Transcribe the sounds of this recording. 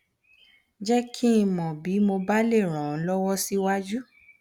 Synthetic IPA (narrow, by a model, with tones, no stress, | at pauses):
d͡ʒɛ˦kʰĩ˦˧mɔ̃˨bi˨˦mo˧ba˦le˦˨ɾ̃ã˨˦lɔ˦wɔ˦si˦wa˦d͡ʒu˦